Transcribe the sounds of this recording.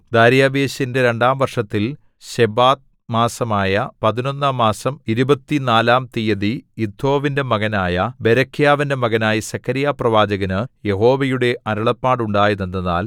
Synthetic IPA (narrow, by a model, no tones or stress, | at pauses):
d̪aːɾjaːʋeːɕɐinde̞ɾe̞ɳɖaːmʋɐrʂɐt̪ːil | ɕebaːt̪̚ | maːsɐmaːjɐpɐðino̞nːaːmːaːsɐmiɾubɐt̪ːinaːlaːmt̪ijɐðiid̪ʱo̞ːʋinde̞mɐɣɐnaːjɐbe̞ɾɐkʰːijaːʋinde̞mɐɣɐnaːjisɐkʰːɐɾijaːprɐʋaːd͡ʑɐɣɐnɨje̞ɦo̞ːʋɐjuɽe̞ʔɐɾɐɭɐpːaːɽuɳɖaːjunɐnd̪ɐða̰ːl